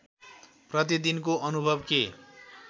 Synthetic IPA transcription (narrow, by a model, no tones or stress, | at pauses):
prʌt̪̬id̪inkoʔʌnubʱʌbke